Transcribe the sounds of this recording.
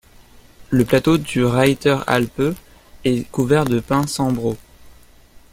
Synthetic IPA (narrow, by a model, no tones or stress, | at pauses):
ləplat̪od̪yʁajt̪œʁa̰lpø | ɛkuvɛʁd̪əpɛ̃sɑ̃bʁo